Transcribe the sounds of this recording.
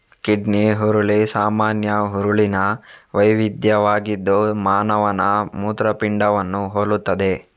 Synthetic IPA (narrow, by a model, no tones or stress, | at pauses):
kiɖniɦuɾuɭisaːmaːnjɐɦuɾuɭinɐʋɐjʋid̪jɐʋaːɡid̪ːumaːnɐʋɐnɐmuːt̪ɾɐpiɳɖɐʋɐnːuɦoːɭut̪ːɐd̪e̞